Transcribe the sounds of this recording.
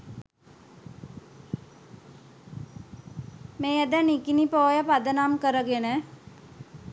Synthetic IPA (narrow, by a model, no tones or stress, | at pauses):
meːəd̪ənikinipoːjəpad̪ənamkəɾəɡenə